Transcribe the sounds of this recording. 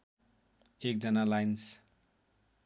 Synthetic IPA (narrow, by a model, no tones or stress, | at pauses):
ek̚d͡zʌnalajns